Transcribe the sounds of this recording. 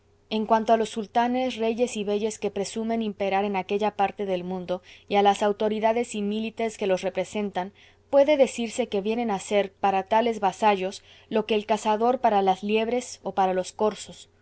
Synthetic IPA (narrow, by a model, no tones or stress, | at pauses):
e̞ŋkwant̪oalo̞sːult̪ane̞sre̞ʝe̞siβe̞ʝe̞skepɾe̞sumẽ̞nimpe̞ɾaɾe̞nake̞ʝapaɾt̪e̞ðe̞lmũnd̪o̞ialasawt̪o̞ɾiðaðe̞similit̪eske̞lo̞sre̞pɾe̞se̞nt̪an | pwe̞ðe̞ðe̞siɾse̞ke̞βje̞ne̞nase̞ɾpaɾat̪ale̞zβasaʝo̞s | lo̞ke̞ːlkasaðo̞ɾpaɾalazlje̞βɾe̞so̞paɾalo̞sko̞ɾsos